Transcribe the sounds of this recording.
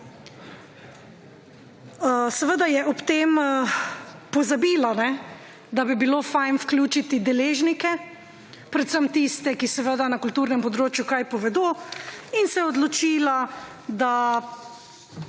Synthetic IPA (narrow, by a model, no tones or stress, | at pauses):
sɛʋəd̪ajɛʔɔpt̪eːm | pɔzabiːlanɛ | d̪abibiloːfajnfklʲjuːt͡ʃit̪id̪ɛleːʒnikɛ | pɾɛt̪səmt̪ist̪ɛkisɛʋəd̪anakult̪uːɾnɛmpɔd̪ɾoːt͡ʃjukajpɔʋɛd̪oːinsɛɔd̪lɔt͡ʃiːla | d̪a